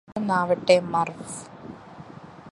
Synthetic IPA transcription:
ɐnaːʋɐʈːemɐrf

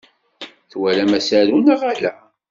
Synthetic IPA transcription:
θwælæmæsæɾunaʁalæ̰

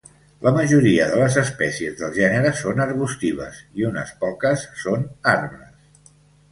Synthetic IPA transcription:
lʔəməʒuɾiəðələzəspɛsiəzðəlˠʒɛnəɾəsonəɾβust̪iβə̰siunə̰spɔkəsːonarmɾəs

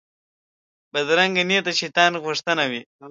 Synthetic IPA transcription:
bad̪ɾaŋɡanet̪aʃit̪ɑːnɣuʂt̪ənawi

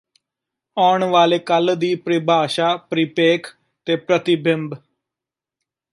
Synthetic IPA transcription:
ɔːɳʋaːleːkəld̪iːpɾɪbʱaːʃaːpɾiːpeːkʰ | t̪eːpɾət̪ibʱɪmb

